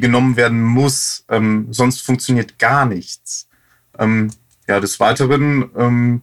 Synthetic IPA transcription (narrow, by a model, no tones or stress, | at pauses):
ɡənɔmənveːɐdn̩mʊsʔɛmzɔnstfʊŋkt͡sjoniːɐtɡ̥aːɐnɪçt͡s | ʔɛm | jaːdɛsv̥aɪtəʁənʔɛːm